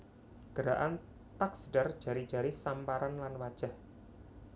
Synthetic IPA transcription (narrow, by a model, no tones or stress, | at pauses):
ɡ̥əɾaʔan | t̪aksɖard͡ʒ̥a̤ɾi̥ʒ̥a̤ɾisampaɾanlanwad̥ʒ̥ah